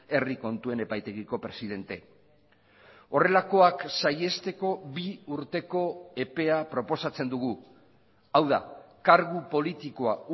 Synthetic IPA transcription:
e̞riko̞nt̪ue̞ne̞pajt̪e̞ɣiko̞pɾe̞siðe̞nt̪e̞ | o̞re̞lako̞aksaje̞st̪e̞ko̞βiuɾt̪e̞ko̞e̞pe̞apɾo̞po̞sat͡se̞nd̪uɣ̞u | awða̰kaɾɣupo̞lit̪iko̞au

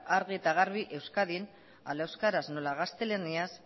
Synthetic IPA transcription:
aɾɣiet̪aɣ̞aɾβiʔe̞wskaðin | a̰laewskaɾaznolaɣast̪e̞lenias

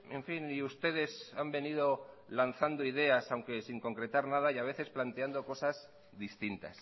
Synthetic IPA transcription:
e̞ɱfiniust̪e̞ðe̞sambe̞nið̞o̞ | lan̟θand̪oiðe̞asawŋke̞siŋko̞ŋkɾe̞t̪aɾnað̞ajaβe̞θe̞splant̪eand̪o̞ko̞saz | ðist̪int̪a̰s

